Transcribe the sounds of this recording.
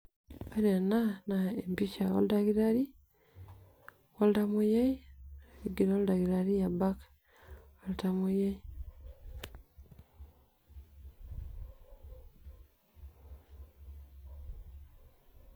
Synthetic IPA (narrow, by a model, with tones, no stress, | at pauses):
a˦ɾa˨nanaempi˦ʃa˨wo̰˦ldaɡi˦ɾaɾi˦ | wo˦ltamuja˦iiɡi˨ɾo˦lda˨ɡiɾaɾi˦ja˨ba˦k | woltamuje˦i